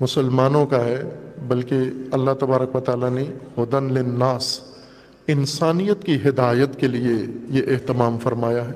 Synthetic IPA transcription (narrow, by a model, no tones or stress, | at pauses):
mʊsəlmaːnõkaɦɛbɐlkeɐlːaɦt̪ɐbaːɾəkʋɐt̪aːlanehʊd̪ənlɪnːaːs | ɪnsaːnijət̪kiɦɪd̪aːjət̪keliejeʔeɦt̪ɪmaːmfɐɾmaːjaɦɛː